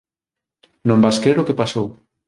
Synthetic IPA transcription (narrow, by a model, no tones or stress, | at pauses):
nõmbaskɾeɾʊkepasow